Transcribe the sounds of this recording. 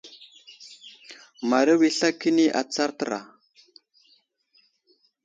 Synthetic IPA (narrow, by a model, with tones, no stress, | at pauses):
ma˨ɾə˦wi˦ɬa˦ki˦ni˦ʔa̰˨t͡sa˦ɾtə˦ɾa̰˨